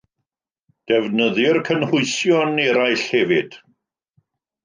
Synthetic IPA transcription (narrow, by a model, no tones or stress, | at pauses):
d̥ɛvnəðɪrkʰənhʊɨsjɔnɛɾaɨɬhɛvɪd̥